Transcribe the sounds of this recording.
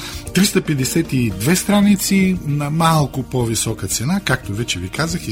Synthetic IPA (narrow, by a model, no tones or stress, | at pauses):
t̪ɾist̪ɐpɛd̪ɛsɛt̪id̪vɛst̪ɾanit̪sinɐmalˠkʊpovisɔkət̪sɛnakak̚t̪ovɛt͡ʃɛvikazəx